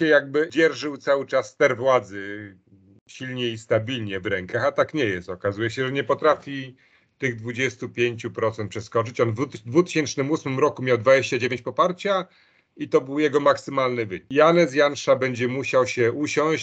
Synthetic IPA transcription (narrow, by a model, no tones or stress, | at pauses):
ɛjaɡ̚bɘd͡ʑɛɾʐɘwt̪sawɘt͡ʂasːt̪ɛɾvwad̪zɘ | ɕilɲɛist̪abʲilɲɛvɾɛŋkaxat̪akɲɛjɛst̪ɔkazujɛɕɛʐɛɲɛpɔt̪ɾafʲi | t̪ɘɣd̪vud͡ʑɛst̪upʲjeɲt͡ɕupɾɔt̪sɛnt̪pʂɛskɔt͡ʂɘt͡ɕɔnd̪vut̪ɘ̥ɕɛnt͡ʂnɘmusmɘmɾɔkumʲjawd̪vad͡ʑeɕt͡ɕad͡ʑevʲeɲt͡ɕʲpɔpaɾt͡ɕa | it̪ɔbɘwjɛɡɔmaksɘmalnɘvɘɲijanɛs̬janʂabɛɲd͡ʑɛmuɕawɕɛʔuɕɔ̃w̃ɕ